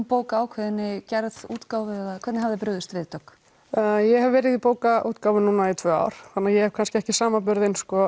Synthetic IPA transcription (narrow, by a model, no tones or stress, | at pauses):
poːwkaaːwkʰvɛðɪnːɪcɛɾðuːt̪kawvɪɛðakʰvɛt̪nɪɦavðɪpɾʏðʏst̪vɪːðt̪œkː | jɛhɛvvɛːɾɪðipoːwkaʔuːt̪kaːwvʏnuːnait̪ʰvœːa̰ːwɾ̥θanːajɛhɛv̥kʰanscɪɛhcɪsaːmap̬ʏɾðɪnskɔ